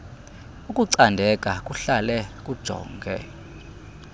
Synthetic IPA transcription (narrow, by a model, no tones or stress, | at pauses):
ukʼuǀandʱɛkʼakʼuɬalɛkʼud̥ʒ̥ʱɔ̰ːŋɡʱɛ̰